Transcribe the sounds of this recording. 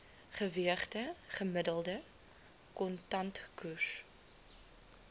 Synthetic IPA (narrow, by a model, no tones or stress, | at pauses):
χəviəχtəχəmədəlˠdə | kɔntɐntkus